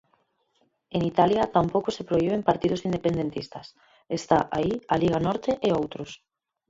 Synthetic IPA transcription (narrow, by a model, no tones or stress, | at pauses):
enit̪aljɐt̪ampowkosepɾoiβempaɾt̪iðʊsind̪epend̪ent̪ist̪ɐs | est̪aʔaialiɣanɔɾt̪eʔeowt̪ɾʊs